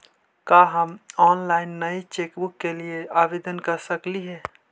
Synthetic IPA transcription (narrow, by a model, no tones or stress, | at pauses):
kaɦəmɔnlaɪnːəit͡ʃekbukːelieabed̪ənkəɾsəkliɦɛː